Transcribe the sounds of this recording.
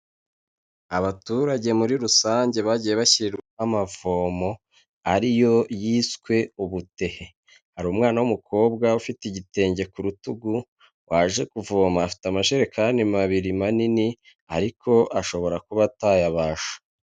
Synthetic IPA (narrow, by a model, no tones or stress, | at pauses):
aβatuɾaɟe̞muɾiɾusaːɲɟe̞βaɟije̞βaçiɾiɾamavoːmo̞ | aɾijo̞jiːskwe̞uβute̞he̞ | haɾuːmŋaːnawumukʰo̞ːbɡaufitiɟite̞ːɲɟe̞kuɾutuɡu | wʔaʒe̞kuvoːmaːfi̥tamaʃeɾekʰaːndimaβiɾimanini | a̰ɾikʰo̞ʔaʃo̞βo̞ɾakuβatajaβaːʃu̥